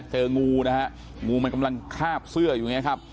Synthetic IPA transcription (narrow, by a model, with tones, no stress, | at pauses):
t͡ɕɤː˧ŋuː˧n˦˥kʰa˦˥ʔ | ŋuː˧ma˧nka˧mla˧ŋkʰaː˥˩p̚sɯ˥˩ɐjuː˨˩ŋi˦˥ɐkʰp̚